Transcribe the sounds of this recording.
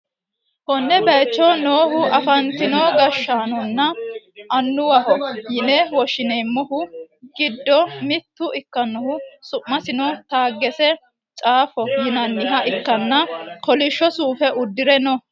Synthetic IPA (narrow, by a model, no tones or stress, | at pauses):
hɔnːɛbɛjt͡ʃːɔnoːhʊʔɐfɐnt̪ɪnoːɡɐʃːaːnɔnːɐ | ɐnːʊwɐhɔjɪnɛwɔʃɪnɛjmːɔhʊɡ̥ɪd̪ːɔmɪt̪ːʊɪkːɐnːɔhʊsʊʔmːɐsɪnɔt̪aːɡːɛsɛ | t͡ʃʼaːfɔjɪnɐnːɪɦɐʔɪkːɐnːɐkɔlɪʃːɔsuːfɛʊd̪ːɪɾɛnɔ